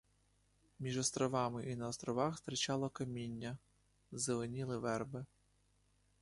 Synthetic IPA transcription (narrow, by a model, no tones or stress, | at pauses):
mʲiʒɔst̪ɾɔʋɑmɪʔinɐɔst̪ɾɔʋɑxst̪ɾɪt͡ʃɑlˠɔkɐmʲinʲːɐ | zeʋɪnʲilˠɪʋɛrbɪ